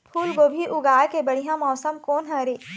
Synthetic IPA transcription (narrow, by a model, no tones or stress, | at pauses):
pʰuːlɡoːbʱiʔʊɡaːɾkebɐɽ̤ijãmɔːsəmkoːnɦɐ̃ɾeː